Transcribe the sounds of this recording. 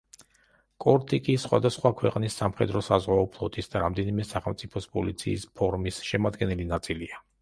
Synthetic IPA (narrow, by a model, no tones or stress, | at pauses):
kʼɔɾt̪ʼikʼisχwa̰d̪asχwakʰwɛqʼnisːamχɛd̪ɾɔsazʁwaɔpʰlˠɔt̪ʼisd̪aɾamd̪ɛnimɛsaχɛlˠmt̪sʼipʰɔspʼɔlit̪sʰḭːspʰɔɾmisʃɛmad̪ɡɛnɛlinat̪sʼilia